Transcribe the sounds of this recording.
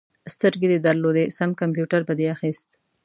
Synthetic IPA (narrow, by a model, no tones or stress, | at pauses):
st̪əɾɡed̪əd̪əɾlod̪esamkampjuʈaɾbad̪eaxist̪̚